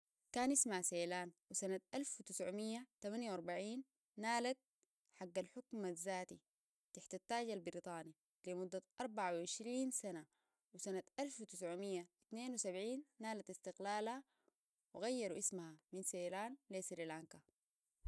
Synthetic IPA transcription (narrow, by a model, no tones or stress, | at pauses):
kaːnʔismaseːlaːnwisanat̪ʔalfwit̪ɪsʕumijːat̪amanjawɑɾˤbaʕiːnː | aːlat̪̚ | ħaɡːalħʊkmazːaːt̪i | t̪aħt̪at̪ːaːɟalbɾit̪ˤɑːni | limud̪ːat̪ʔɑɾˤbaʕawʕɪʃɾiːnsana | wisanat̪ʔalfwit̪ɪsʕumijːait̪neːnwisabʕiːnːaːlat̪ist̪ɪqlaːlha | wiɣajːɑɾuʔismahaminseːlaːnlesɾilaŋka